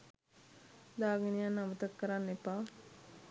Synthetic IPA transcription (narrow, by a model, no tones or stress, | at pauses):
d̪aːɡenijanːaʋət̪əkːəɾanːepaː